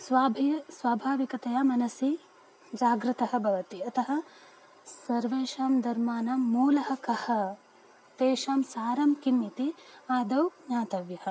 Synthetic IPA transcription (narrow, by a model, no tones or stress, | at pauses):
saːbʱsʋaːbʱaːʋikɐt̪ɐjaːmɐnɐsi | d͡ʒaːɡɾɪt̪ɐɦɐ̆bʱɐʋɐt̪iɐt̪ɐɦɐ̆ | sɐɾʋeːʃaːmd̪ɐɾmaːnamːuːlɐɦɐ̆kɐhɐ | t̪eːʃaːmsaːɾɐmkimːit̪iaːd̪ɐwɲaːt̪ɐʋjɐhɐ̆